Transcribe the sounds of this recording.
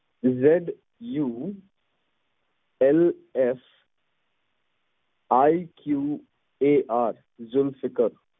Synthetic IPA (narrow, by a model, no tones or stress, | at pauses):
zɛɖ | ju | ɛlɛs | aikʰju | eʔaɾ | zʊlfɪkəɾ